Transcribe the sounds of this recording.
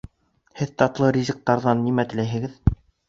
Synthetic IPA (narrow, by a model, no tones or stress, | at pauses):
hɘðt̪ɑt̪lˠɤɾʲizʲɘ̆k̚t̪ɑɾðɑnːimæt̪ɘ̆læjɦɘ̆ɡɘð